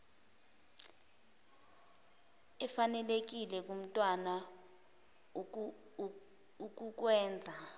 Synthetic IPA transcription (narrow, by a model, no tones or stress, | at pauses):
ɛfanɛlek̬ilɛk̬ʼum̩tʼwana | uk̬ʼuk̬wɛːnd͡zʱa